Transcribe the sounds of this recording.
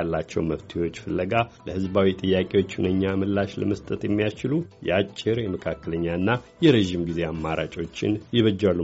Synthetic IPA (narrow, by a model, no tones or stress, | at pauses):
alːat͡ʃːɛwməft̪ʰiwo̞t͡ʃːfɨlːəɡaləhɨzbawit̪ʼɨjːakʼe̞wo̞t͡ʃːunəɲːamɨlːaʃləməst̪ʼət̪jɛmːijast͡ʃɪlujɛat͡ʃʼːɪɾjɛməkʰakːələɲːanːajɛɾeʒimɡize̞amːaɾa̰t͡ʃʼo̞t͡ʃːɪ̰njɪβəd͡ʒːalːu